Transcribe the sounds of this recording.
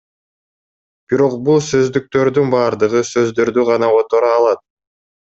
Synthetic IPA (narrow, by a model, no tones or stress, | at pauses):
b̥iɾo̞qbulˠsø̞zd̪yk̚t̪ø̞ɾd̪ynbɑːɾd̪ɯʁɯsø̞zd̪ø̞ɾd̪yʁɑnɑot̪o̞ɾɑːlˠɑt̪̚